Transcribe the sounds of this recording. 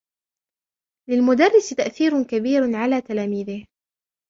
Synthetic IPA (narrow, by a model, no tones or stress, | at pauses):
lɪlmʊd̪ɑrˤːɪst̪aʔθiːɾʊkabiːɾʕalaːt̪alaːmiːðɪh